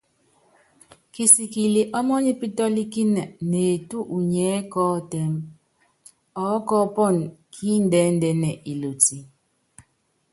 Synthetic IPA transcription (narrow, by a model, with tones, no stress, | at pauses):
ki˨si˨ki˨li˨ʔɔ˦mɔ˦ɲi˦pi˦tɔ˦li˦ki˦nɛ˨ne˨tu˦ʔu˨ɲɛ˨˦kɔː˦tɛ˦m | ɔ˦kɔ˦pɔ˦˨nkʰiː˦n̩˦dɛ˨˦n̩˦dɛ˨nɛ˨ʔi˨lo˨ti˨